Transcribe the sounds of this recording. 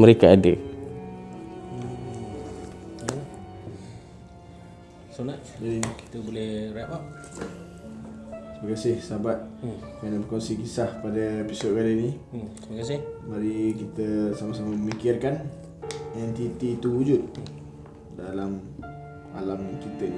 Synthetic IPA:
məɾekaadə | sunaʔ̪ | dadinki̥t̪əbolɛhɾapa | kiməkasɪhsabat̪̚kanəbəkɔnsikisahpadaepisɔt̪̚ɡaləni | timəkasɪhbaɾikit̪əsamasamaməmikɪrkan | ɛnt̪it̪it̪uud͡ʒut̪̚ | dalam | a̰lamkit̪əʔ

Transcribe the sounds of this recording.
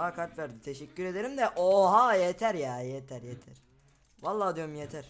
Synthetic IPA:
akʰaɾt̪væɾd̪it̪ʰeʃɛcːyɾe̞d̪e̞ɾimd̪ɛʔoɦajet̪ʰæɾjaːjet̪ʰæɾjet̪ʰæɾ̥ | valˠːaːd̪yjomjet̪ʰæɾ̥

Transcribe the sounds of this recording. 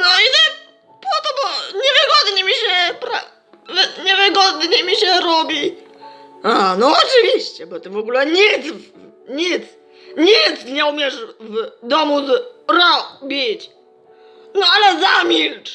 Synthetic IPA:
nɔit̪ɛ | pɔt̪ɔbɔɲɛvɘɡɔd̪ɲɛmʲiɕɛpɾa | vɲɛvɘɡɔd̪ɲɛmʲiɕɛɾɔbʲi | anɔːt͡ʂɨvʲiɕt͡ɕɛbɔt̪ɘvɔɡulɛɲit̪sv | ɲit̪s | ɲit̪sɲɛumʲjɛʂvd̪ɔmuzɾɔbʲit͡ɕ | nɔalɛzamʲilt͡ʂ

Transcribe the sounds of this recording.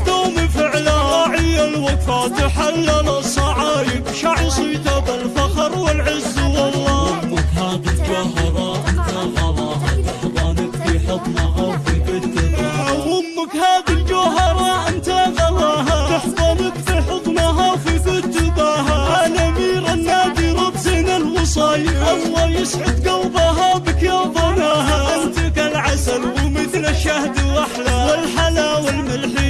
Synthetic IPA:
t̪aːmifɪʕlaɑʕɪjːalwakfat̪ɪħalːalasˤɑʕajɪbʃaʕsˤiːt̪abalfɑqɑɾˤwɪlʕɪzːwɑlˤːɑːhʊmːʊkhaːd̪ild͡ʒaɦɑɾˤɑʔɪnt̪aɣɑɾˤɑːhat̪ɪħðˤɑnɪkfiħɨd̪ˤnahafikʊt̪ʊbaahʊmːʊkhaːðild͡ʒaɦɪɾˤɑːʔɪmt̪aɡɑlaɦat̪ɪħðˤɑnɪkfiħɨðˤnɑɦawfikʊt̪ʊbaɦaʔaːlamiːɾanːaːd̪iɾˤɑbzinalmʊsˤɑːjɪʔɑfːɑljɪsʕɪd̪ɡawbaɦabɪkjaːðˤɑnaɦaʔɪnt̪ɪkalʕasalwmɪθlaʃːahd̪waħlawɪlħalawɪlmalħiː

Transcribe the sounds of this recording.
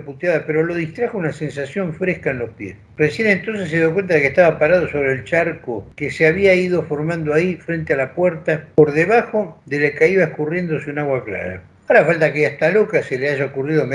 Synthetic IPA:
put̪jaðapeɾo̞lo̞ðist̪ɾaxounase̞nsasjo̞ɱfɾehkaenlo̞hpjḛs | resje̞ne̞nt̪o̞ns̬esːeðjokwe̞nt̪aðekeht̪aβapaɾað̞o̞so̞β̞ɾeːlt͡ʃaɾkokeseaβiaið̞o̞fo̞ɾmãnd̪oaifɾent̪ealapweɾt̪apoɾðeβaxo̞ðelekaiβaehkurje̞nd̪o̞seunaɣwakla̰ɾa̰ | aoɾafalt̪akeaht̪alo̞kaseleaʒaokuriðom

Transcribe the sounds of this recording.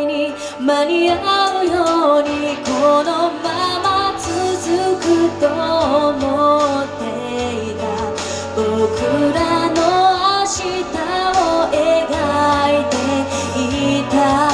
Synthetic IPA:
ɲ̟i | maɲ̟iaɯjoɲ̟ikonomamat͡sɨzɨkɯt̪omot̪ːe̞ | it̪a | bokɯɾanoaɕit̪aoeɡait̪e̞ | it̪a

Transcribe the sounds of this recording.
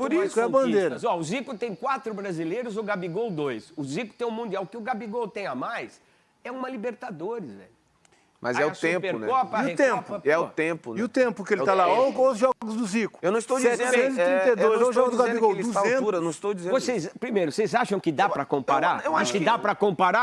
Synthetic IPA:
poɾisɛɐ̃bɐ̃nd̪eɾɐɐzɔʊzikʊt̪ẽj̃kwat̪ɾʊbɾazilejɾʊzʊɡabiɡowd̪ojsʊzikʊ̥t̪ẽj̃ʊmũnd̪iawʊkɪʊɡabiɡowt̪ẽj̃amajs | ɛũmɐlibeɾt̪ad̪oɾɪzvɛ̰ʎʊ | mʔɐ̰zɛʊẽpeɾʊnɛ̰kɔpɐiʊet̪ẽmpʊɐɛʊt̪ẽpʊiʊt̪ẽmpʊkɪelɪt̪alaokõʊzʒɔɡʊzd̪ʊzikʊ̥ewnɐ̃ɪst̪ow̃ẽzt̪ɾĩed̪oɾʒɔɡʊd̪ʊɡãbiɡowuaẽtuɾɐnɐ̃w̃st̪owd͡ʒizẽvosezpɾimejɾʊsejzaʃɐ̃w̃kɪd̪apɾɐkõpaɾaɾew̃aʃkɪd̪apɾɐkõpaɾa

